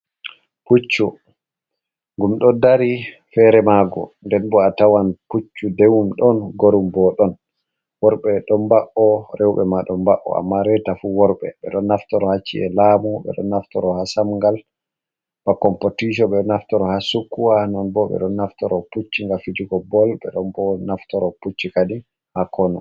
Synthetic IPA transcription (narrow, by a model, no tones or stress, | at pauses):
put͡ʃːu | ŋɡumɗɔdaɾi | fɛɾɛmaɡɔ̰ndɛnbɔatawanput͡ʃːudewumɗɔnɡoɾumbɔɗɔn | wɔɾɓɛɗɔmbaʔɔɾɛwɓɛ̰maɗɔmbaʔɔ̰a̰mːaɾɛtafuwɔɾɓɛ̰ɓɛ̰ɗɔnːaftɔɾɔhat͡ʃːiɛlaːmuɓɛ̰ɗɔ̰nːaftɔɾɔhasamŋɡal | bakɔmpotiʃ̬ɔɓɛɗɔnaftɔɾɔhasukːuwahnɔnbɔɓɛ̰ɗɔnːaftɔɾɔput͡ʃːiŋɡafid͡ʒiɡɔbɔlɓɛ̰ɗɔnbɔnaftɔɾɔput͡ʃːikadi | hakʰɔnɔ